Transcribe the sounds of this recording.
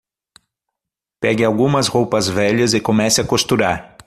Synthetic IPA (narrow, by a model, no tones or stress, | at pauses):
pɛɡɪawɡũmɐsʁowpɐzvɛʎɐzɪkomɛsɪɐkost̪uɾaɾ